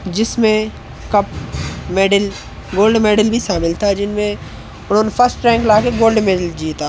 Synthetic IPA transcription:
d͡ʒɪsmẽ | kɐpmeːɖəl | ɡoːlɖmeːɖəlbʱiʃaːmɪlt̪ʰad͡ʒɪnmẽ | ʊnɦõːnepʰɐɾsʈɾɛ̃ːŋklaːkeɡoːlɖmeːɖəld͡ʒiːt̪aː

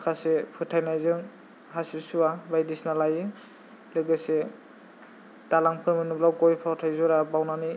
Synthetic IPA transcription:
kʰasepʰɯtʰajnajzɯŋ | ɦasisuabajdisnalajɯ | lɯɡɯse | talaŋpʰɯmɯnublawkɔjpʰawtʰajzɔɾabawnani

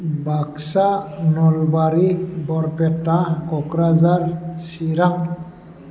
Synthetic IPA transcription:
baksanɔlbaɾibɔɾpɛtːakɔkɾazaɹsiɾaŋ

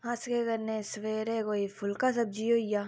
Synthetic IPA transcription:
ɦaskekɐɾnẽsʋeːɾekoːifʊlkas̬ɐb̚d͡ʒioja

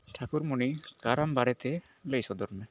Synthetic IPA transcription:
ʈʰakuɾmunikaɾambaɽɛt̪ɛ | ləjsɔd̪ɔɾmɛ

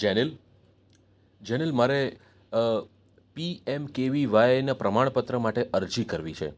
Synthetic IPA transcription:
d͡ʒɛnel | d͡ʒɛnelmaɾe | piemkeʋiʋajenapɾəmaɳpət̪ɾəmaʈeʔəɾd͡ʒikəɾʋit͡ʃʰḛ

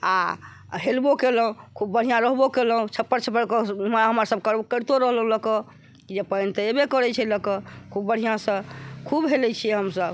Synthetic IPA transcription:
a̰ | ɦelbokeləɦũkʰubːəɽ̤ijãɾəɦbokeləɦũt͡ʃʰəpːəɾt͡ʃʰəpːəɾkɦəməsəb̚kəɾkəɾt̪oɾəɦləɦũləkə | kid͡ʒepəjnt̪əebekəɾɛt͡ʃʰɛləkəkʰubːəɽ̤ijãsə̃kʰubɦelɛt͡ʃʰiɛɦəmsəb

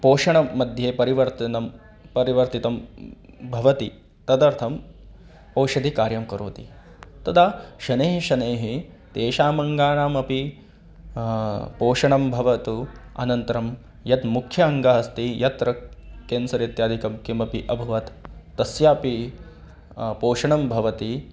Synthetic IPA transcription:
poːʃɐɳɐːɐd̪ʱjeːpɐɾiʋɐɾt̪ɐnɐm | pɐɾiʋɐɾt̪it̪ɐm | bʱɐʋɐt̪ḭ | t̪ɐd̪ɐɾt̪ʰɐm | pɐːwʃɐd̪ʱikaːɾjɐmkɐɾoːt̪ḭ | t̪ɐt̪ʰaʃɐneːɦiʃɐneːɦi | t̪eːʃaːmɐŋɡaːɳaːmɐpi | poːʂɐɳɐmbʱɐʋɐt̪uɐ̰nɐnt̪ɐɾɐm | jɐt̪mukʰjɐɐŋɡaɦɐst̪ijɐt̪ɾɐkeːnsɐɾet̪jaːd̪ʱikɐmkimɐpiʔɐbʱuʋɐt̪ː | ɐsjaːpi | poːʃɐɳɐmbʱɐʋɐt̪i

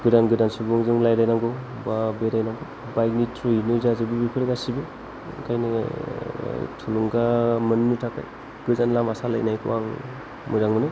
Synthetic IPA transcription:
ɡɯdanɡɯdansubuŋzɯŋlajɾajnamɡɯw | babeɾajnamɡɯw | bajk̚nitʰɾɯjnɯzazɯbibikʰɯɾeɡasibi | kʰajni | tʰuluŋɡamɯnnɯtʰaka̰j | ɡ̥ɯzanlamasala̰jnajkʰɯ̰wʔaŋ | muɾaŋmɯnɯ

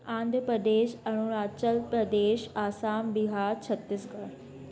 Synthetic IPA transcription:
ãːnd̪ʱpɾɐd̪eːʃɐɽ̃uɽaːt͡ɕəlpɾɐd̪eːʃaːsaːnbɪɦaːɾt͡ɕʰɐt̪ːɪsɡaɾ

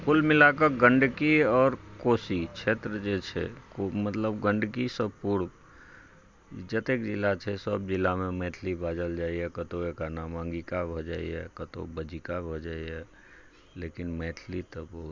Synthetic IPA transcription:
kʊlmɪlakəɡə̃ɳɖkiɔːɾkoːsit͡ʃʰeːt̪ɾəd͡ʒet͡ʃʰɛ̰komət̪ləbɡə̃ɳɖkisəbpuːɾ | d͡ʒət̪ekd͡ʒɪlːat͡ʃʰɛsəbd͡ʒɪlːamẽmɛːʈ̪ʰlibaːd͡ʒəld͡ʒaːiɦɛkət̪oekanamãŋɡikabʱod͡ʒaːḭɦɛ̰kət̪o̰bəd͡ʒikabʱod͡ʒaːiɦɛ | leːkɪnmɛːʈ̪ʰlit̪əbəɦʊt̪

